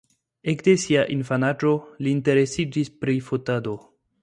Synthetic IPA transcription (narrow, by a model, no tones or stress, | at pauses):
ekde̞siaʔinfanad͡ʒo̞liːnte̞ɾe̞sid͡ʒispɾifotado̞